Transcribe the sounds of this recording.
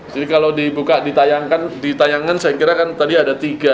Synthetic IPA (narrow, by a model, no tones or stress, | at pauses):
d͡ʒadikalodibukadit̪ajaŋkandit̪ajaŋansajakiɾakant̪adiadat̪iɡa